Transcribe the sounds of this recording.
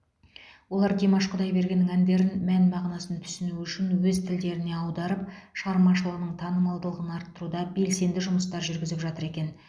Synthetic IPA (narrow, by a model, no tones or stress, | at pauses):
wo̞lˠɑɾd̪emɑʃqʰʊd̪ɑjbe̞ɾɡʲe̞nːɪŋænd̪e̞ɾɪnmænmɑʁnɑsənt̪ʰʏ̥sɪnuʏʃɪnwɵzt̪ʰɪld̪e̞ɾɪne̞ɑwd̪ɑɾəp̚ʃʁɑɾmɑʃəlˠəʁnəɴt̪ʰɑnəmɑlˠd̪əlˠəʁənɑɾt̪ːəɾud̪ɑbe̞lse̞nd̪ɪʒʊməst̪ɑɾʒʏɾɡʲɪzɪpʒɑt̪əɾe̞kʲe̞n